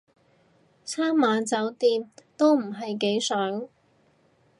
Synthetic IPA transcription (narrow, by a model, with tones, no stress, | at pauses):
t͡sʰaː˥mːaː˨˧nt͡sɐ˨˥wt̪iː˧mt̪o˥wm̩˨˩ɦɐ˨jke˨˥jsœː˨˥ŋ